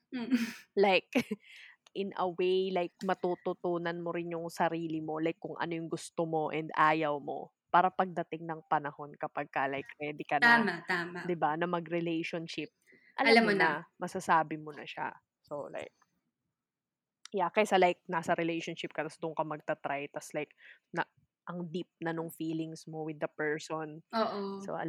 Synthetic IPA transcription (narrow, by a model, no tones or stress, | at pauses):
lajk | ʔɪnɐ̰wejlajk̚mɐt̪ut̪ʊt̪uːnɐnmoɾɪnjʊŋsɐɾiːlɪmo̞lajkːʊŋʔɐ̰no̞jʊŋɡʊst̪omo̞ʔɛnd̪aːjɐwmo̞̰ | paːɾɐpɐɡ̚d̪ɐt̪ɪŋnɐŋpɐnɐho̞nkɐpɐɡ̚kɐlajkɾɛːd̪ɪkɐnamat̪aːmad̪ɪbanɐmɐɡɾɛlejʃonʃɪp̚ | ʔɐlɐlaamːonɐmɐsɐsaːbɪmonɐ̰ʃa̰ | sola̰jk̚ | jakɐjsalajk̚naːsɐɾɪlejʃonʃɪp̚kɐt̪ɐsd̪ʊŋkɐmɐɡ̚t̪ɐt̪ɾajt̪ɐslajknɐ | ʔɐŋd̪ip̚nɐnʊŋfiːlɪŋsmo̞wɪd̪ːɐpɛɹsonoʔoso̰ɐ̰